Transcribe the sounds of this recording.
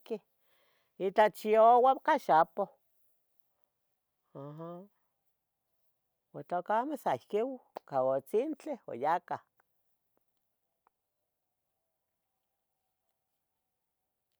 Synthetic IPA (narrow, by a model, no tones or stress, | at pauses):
ki | it͡ɬat͡ʃiowakaʃapo | aɦa | wat͡ɬ̪okamesaihkiwkawot͡sint͡ɬeo̰jakah